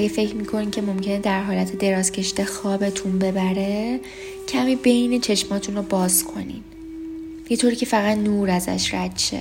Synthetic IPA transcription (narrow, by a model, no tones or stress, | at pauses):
æɡefe̞cʰmiːkʰo̞niːmcʲʰe̞mo̞mcʰe̞ned̪æɾɦɒːlæt̪ʰe̞d̪e̞ɾɒːz̥cʲʰe̞ʃid̪exɒːbe̞t̪ʰunbe̞bæɾe̞ | cʰæmiːbe̞jne̞t͡ʃʰe̞ʃmɒːt̪ʰunrobɒːzkʰo̞̰nḭn | jet̪ʰoːɾiːcʰe̞fæɣæd̪nuːɾæzæ̰ʃɾæt̪ʃḛ